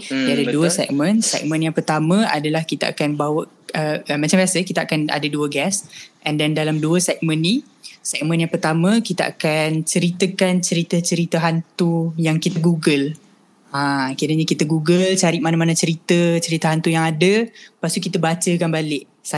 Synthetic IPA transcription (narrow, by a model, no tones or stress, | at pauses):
diadəduəsɛ̰k̚mə̃nsɛ̰k̚mə̃njaŋpərt̪amə̃a̰dalahkit̪aa̰kanbawəʔ | əəmat͡ʃambiasəkit̪aʔakana̰dəduəɡɛsʔɛndɛndalamduəsɛk̚mə̃nːi | sɛk̚mə̃njaŋpərt̪amə̃kit̪aa̰kant͡ʃəɾit̪əkant͡ʃəɾit̪ət͡ʃəɾit̪əɦant̪ujaŋkit̪əɡuɡəl | akiaɾəɲakit̪əɡuɡəlt͡ʃaɾɪʔmanamanat͡ʃəɾit̪ət͡ʃəɾit̪əɦant̪ujaŋadəpast̪ukit̪əbat͡ʃəkanbalɪʔ | sa